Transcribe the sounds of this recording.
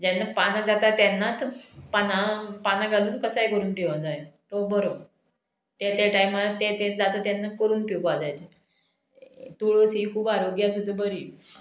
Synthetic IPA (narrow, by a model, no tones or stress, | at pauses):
d͡ʑɛnːapanad͡zat̪at̪ːjanːat̪panapanaɡʱaluːnkəsajkəɾuːnpiʋad͡zaet̪obəɾob | t̪et̪eʈaimalat̪et̪ed͡zat̪at̪janːakəɾuːnpipad͡zajt̪e | t̪uɭosikʰuːbaɾoɡjasud̪ʱːabəɾiː